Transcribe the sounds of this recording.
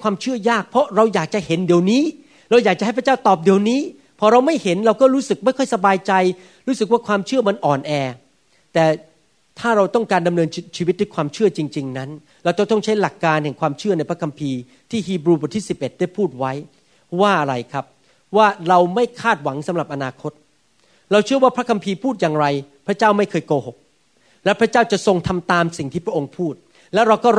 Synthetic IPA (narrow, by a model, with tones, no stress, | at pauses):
kʰwaː˧mt͡ɕʰɯ˥˩ɐjaː˥˩k̚pʰɾɔ˦˥ɾa˧wjaː˨˩k̚t͡ɕa˨˩he˩˦ndi˨˩əwniː˦˥ | ɾa˧wjaː˨˩k̚t͡ɕa˨ɦa˥˩pʰt͡ɕaː˥˩wt̪ɔː˨˩p̚di˨˩əwniː˦˥ | pʰɔː˧ɾa˧wma˥˩jhe˩˦nɾa˧wkɔː˥˩ɾuː˦˥sɯ˨˩k̚ma˥˩jkʰɔ˥˩jsa˧baː˧jt͡ɕa˧j | ɾuː˦˥sɯ˨˩k̚waː˥˩kʰwaː˧mt͡ɕʰɯ˥˩əma˧nʔɔː˨˩nʔɛː˧ | t̪ɛː˨˩ | t̪ʰaː˥˩ɾa˧wt̪ɔ˥˩ŋkaː˧nda˧mnɤː˧nt͡ɕʰiː˧wi˦t̪̚dɨ˦kʰwaː˧mt͡ɕʰɯ˥˩ɐt͡ɕi˧ŋt͡ɕi˧ŋna˦˥n | ɾa˧wt̪ɔ˥˩t̪ɔ˥˩ŋt͡ɕʰa˦˥jla˨˩kːaː˧nhɛ˨˩ŋkʰwaː˧mt͡ɕʰɯ˥˩əna˧jpʰa˦˥kʰa˧mpʰiː˧ | t̪ʰiː˥˩ɦiː˧bɾuː˧bɔ˨˩t̪ʰi˥˩si˨˩pʔe˨˩t̪̚daː˥˩jpʰuː˥˩t̪̚wa˦˥j | waː˥˩ʔa˧ɾa˧jkʰɾa˦˥p̚ | waː˥˩ɾa˧wma˥˩jkʰaː˥˩t̪̚wa˩˦ŋsa˨˩˦mɾa˨˩p̚ʔa˧naː˧kʰo˦˥t̪̚ | ɾa˧wt͡ɕʰɯ˥˩ɐwaː˥˩pʰɾa˦˥kʰa˧mpʰiː˧pʰuː˥˩t̪̚jaː˨˩ŋɾa˧jpʰɾa˦˥t͡ɕaː˥˩wma˥˩jkʰɤː˧jkoː˧ho˨˩k̚ | lɛː˦˥pʰɾa˦˥t͡ɕaː˥˩wt͡ɕa˨˩so˧ŋt̪ʰa˧mt̪aː˧msi˨˩ŋt̪ʰiː˥˩pʰɾa˥ʔo˧ŋpʰuː˥˩t̪̚ | lɛ˦˥wɾa˧wkɔː˥˩